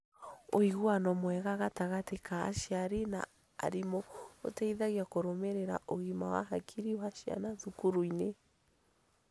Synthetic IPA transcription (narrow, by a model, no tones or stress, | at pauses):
oiɣwanɔmwɛɣaɣataɣateka̰ːʃiaɾena̰ | a̰ɾimɔo̰tɛiðaɣiakoɾomeɾeɾa̰ʔoɣimawa̰ɦakʰiɾiwaʃia̰naðukuɾuine